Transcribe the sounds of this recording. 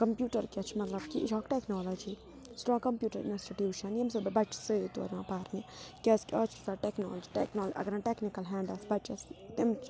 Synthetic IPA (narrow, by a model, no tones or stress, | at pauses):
kɐmpjuːʈɐɾkʲɐt͡ʃʰmɐt̪lɐbkid͡ʒɔːkʈeknoːlɐd͡ʒi | sʈɾɔ̃ːkɐmpjuːʈɐɾḭnsʈiʈjiːʃɐnjemsɐbɐbɐt͡ʃsɨjt̪o̰ːɾãːpaːɾekʲɐskiɐːt͡ʃʰi̥saʈekno̰ːlɐd͡ʒiʈeknoːlʔɐ̰ɡɐɾãʈeːknikɐlɦɛ̃ːɳɖɐsbɐt͡ʃɐst̪imt͡ʃ